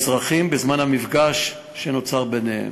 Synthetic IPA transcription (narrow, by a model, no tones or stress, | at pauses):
zʁaχimbezmanhamifɡaʃː | eno̞t͡saʁbenehḛm